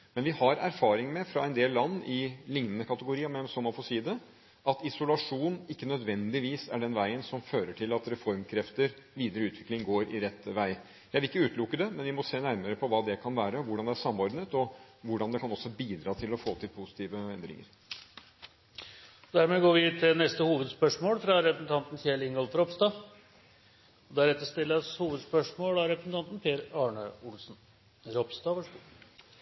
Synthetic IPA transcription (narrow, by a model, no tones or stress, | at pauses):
mɛnʋɪhɑɾæɾfɑːɾɪŋmɛfɾɑɛnd̪eːllːɑnːɪlɪŋnənəkʰɑt̪əɡʊɾiːɑmɛnsɔmɑnfɔsiːd̪ə | ʔɑt̪ɪsʊlɑʂuːnɪkːənœd̪ʋɛnd̪ɪʋiːsæɖɛnʋæɪənsɔmføːɾəʈʰɪlɑt̪ɾɛfɔɾmkʰɾɛft̪əɾʋiːd̪əɾəʉːt̪ʰʋɪklɪŋɡoːɾɪ̰ɾɛt̪ːəʋæɪ | jæɪæʋɪlɪkːəʉːt̪lʊkːəd̪ɛmɛnʋɪmɔseːnæɾməɾəpʰɔʋɑːd̪ɛkʰɑnʋæːɾəɔʋʊɖɑnd̪ɛæɾʂɑmːɔɾɖnət̪ɔʋʊɖɑnd̪ɛkɑnɔsːɔbiːd̪ɾɑːt̪ʰɪlɔfoːt̪ʰɪlpʰusɪ̥t̪ʰiːʋəɛnd̪ɾɪ̰ŋə̰ɾ | d̪æɾmɛɡoːɾʋɪt̪ʰːɪnɛst̪əhuːʋəd̪spœʂmoːlfɾɑɾɛpɾəsn̩t̪ʰɑnt̪n̩çeːlɪŋɡɔlfɾɔpst̪ɑ | ɔd̪æɾɛt̪ːəʂt̪ɪlːəɾshuːʋəd̪spœʂmoːlɑɾɛpɾəsn̩t̪ɑnt̪n̩pʰeːɾɑːɳəʊlsn̩ | ɾɔpst̪ɑːʋɑʂ